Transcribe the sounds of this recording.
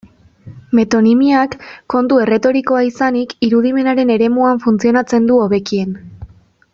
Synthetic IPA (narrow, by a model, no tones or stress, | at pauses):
me̞t̪o̞nimiakːo̞nt̪ue̞re̞t̪o̞ɾiko̞aisanikiɾuðime̞naɾe̞ne̞ɾe̞muaɱfunt͡sio̞nat͡se̞nd̪uoβe̞kie̞n